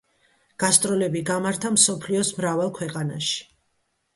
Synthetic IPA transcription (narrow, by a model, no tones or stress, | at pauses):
ɡ̥ast̪ʼɾɔlɛbiɡamaɾt̪ʰamsɔpʰliɔsmɾavalˠkʰwɛqʼana̰ʃi̥